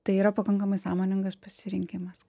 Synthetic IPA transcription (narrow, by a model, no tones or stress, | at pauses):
t̪ɐɪiːɾɐpɐkɐŋkɐmɐɪsɑːmoːnʲɪŋɡɐspɐsʲɪɾʲɪŋʲkʲɪmɐs